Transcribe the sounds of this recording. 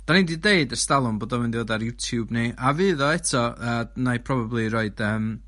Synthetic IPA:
d̥ɔnindideɨdəstalˠʊmboːdɔmvɪndivoːdaɾjutʰjubniʔavɨːðɔɛtʰɔəːnajpʰrɔbablˠiɾoːɨd̥əːm

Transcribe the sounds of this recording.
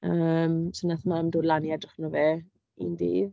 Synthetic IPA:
əːmsənaθmamdoːdlˠanjɛdrɪχnɔveː | ḭndḭːð

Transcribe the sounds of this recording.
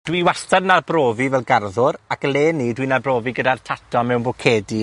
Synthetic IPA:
d̥wiwastadnarbroːvivɛlˠɡarðʊɾakəleːnːidwinabroːviɡədartʰatʰɔmɛwnbɔkʰeːdi

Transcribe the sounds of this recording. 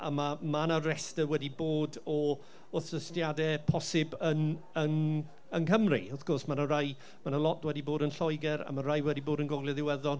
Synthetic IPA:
a̰mamanaɾɛstəwɛdiboːdɔ | ʊθəstjadɛpʰɔsɪbən | ən | ənkʰəmrḭɔθkʰɔrsmanəɾaj | manəlɔt̚d̥wɛdiboːdənɬɔjɡɛɾa̰maɾajwɛdiboːdənɡɔɡljɛðɪwɛðɔ

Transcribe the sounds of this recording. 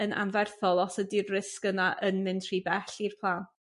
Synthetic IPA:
ənʔa̰nvɛrθɔlˠɔsədirːɪskənaʔənmɪntʰribɛɬirpʰlˠaːn

